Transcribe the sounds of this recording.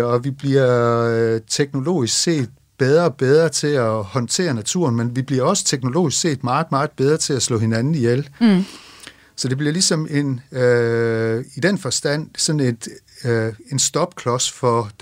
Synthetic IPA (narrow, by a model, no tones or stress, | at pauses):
ɒ̽ʋib̥liɐ | t͡sʰeɡ̥no̝lo̝̰ːisɡ̥se̝̰ːd̥̚ | b̥eð̞ˠʁɐɒ̽b̥eð̞ˠʁɐt͡sʰe̝æhɒ̽nt͡sʰe̝̰ːɐnæt͡sʰṵɐnmenʋib̥liɐɒ̽sə̥t͡sʰeɡ̥no̝lo̝̰ːisɡ̥se̝̰ːd̥mɑ̈ːð̩ˠmɑ̈ːð̩ˠb̥eð̞ˠʁɐt͡sʰe̝læslɔ̰he̝nænn̩ijel | sɒ̽d̥e̝b̥liɐlisɒ̽me̝n | id̥enfɒ̽sd̥æn̰sɒ̽n̩e̝d̥ | e̝nsd̥ɒ̽b̥̚kʰlɒ̽sfɒ̥̽